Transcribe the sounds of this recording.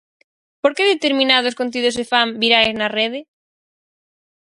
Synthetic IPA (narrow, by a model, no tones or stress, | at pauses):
poɾkeðet̪eɾmĩnað̞oskont̪̬iðosðefambiɾajznareð̞e